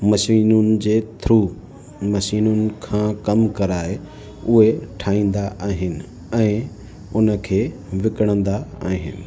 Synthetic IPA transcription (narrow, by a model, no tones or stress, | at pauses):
mɐʃiːnʊnɪ̆d͡ʑeːt̪ʰɾuː | mɐʃiːnʊnɪ̆kʰãːkɐmkɐɾaːɦe | ʊɦeʈʰaːĩːn̆d̪aʔaːɦɪnɪ̆ | ɛ̃ː | ʊnə̆kʰeː | ʋɪkəɽ̃ə̃nd̪aa̰ːɦɪnɪ̆